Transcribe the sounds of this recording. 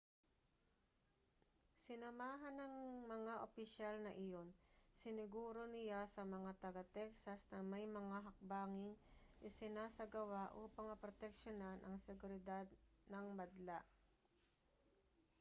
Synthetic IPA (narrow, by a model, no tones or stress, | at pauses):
sɪnɐmaːɦɐnɐŋmɐŋaʔopɪʃalnɐʔɪjo̞nsɪnɪɡuːɾo̞nɪjasɐmɐŋat̪ɐɡat̪ɛksɐsnɐmɐjmɐŋaɦɐk̚baːŋɪŋʔɪsɪnaːsɐɡɐwaʔupɐŋɐpɾot̪ɛk̚ʃonanʔɐŋsɛɡʊɾɪd̪ad̪̚nɐŋmɐd̪laʔ